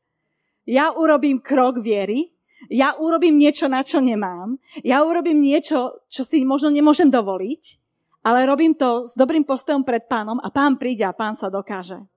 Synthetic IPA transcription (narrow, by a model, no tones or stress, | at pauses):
jauɾɔbiːmkɾɔɡʋɪɛɾi | jaʔuɾɔbiːmɲɪɛt͡ʃɔnat͡ʃɔɲɛmaːmjauɾɔbiːmɲɪɛt͡ʃɔt͡ʃɔsimɔʒnɔɲɛmʊɔʒɛmd̪ɔʋɔlic | alɛɾɔbiːmt̪ɔzd̪ɔbɾiːmpɔst̪ɔjɔmpɾɛt̪̚paːnɔma̰paːnpɾiːɟɛapaːnsad̪ɔkaːʒɛ